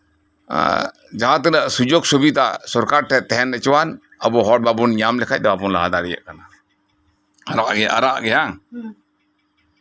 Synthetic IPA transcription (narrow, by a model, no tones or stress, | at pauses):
d͡ʒaɦãt̪ɛnəʔsud͡ʒoɡsobit̪asɔɾkaɾʈʰɛt̪ɛɦɛnɛt͡ʃwan | əbɔɦɔʈ̚babunɲamlɛkʰac̚ˀd̪ɔapɔnla̰ɦad̪aɾɛja̰ʔkana | aɾaʔɡɛʔa̰ɾaʔɡɛja